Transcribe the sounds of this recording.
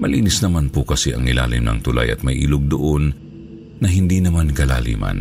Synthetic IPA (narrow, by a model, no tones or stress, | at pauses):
mɐliːnɪsnɐmanpʊkɐsɛʔɐŋɪla̰ːlɪ̰mnɐ̰ŋt̪ʊla̰jɐt̪̚mɐjʔilʊɡ̚d̪ʊʔonː | ɐɦɪnd̪inɐmankɐla̰ːlḭːmɐ̰n